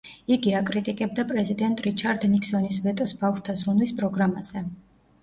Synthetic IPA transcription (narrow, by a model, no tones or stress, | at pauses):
iɡiakʼɾit̪ʼikʼɛb̚d̪apʼɾɛzid̪ɛnt̪ʼɾit͡ʃʰaɾd̪nikʰsɔnisvɛt̪ʼɔsbafʃt̪ʰazɾunwispʼɾɔɡɾamaz̥ɛ